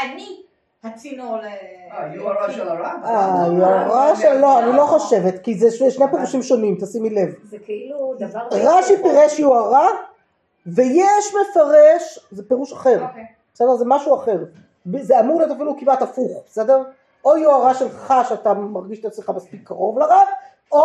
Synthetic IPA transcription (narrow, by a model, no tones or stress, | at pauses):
ani | aajoaʁaʃelːoanilo̞χoʃe̞vet̪kizeʃeʃnepeʁuʃimʃonimt̪asimile̞vkiuʁaʃipiʁeʃjoaʁa | vejeʃme̞faʁeʃzepeʁuʃaχe̞ʁbesede̞ʁzemaʃuaχe̞ʁ | bzeamuʁliot̪afilukimatafuχbese̞deʁ | ojoaʁaʃe̞lχaʃeat̪amaʁɡiʃt̪at͡smeχamaspikʰːaʁovlaʁa | o